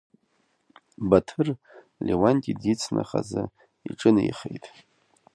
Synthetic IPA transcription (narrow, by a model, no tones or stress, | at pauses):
batʰɨr | lʲewanʲtʼidit͡sʰnaχazɨ | iʈ͡ʂʼɨnɨjχejtʼ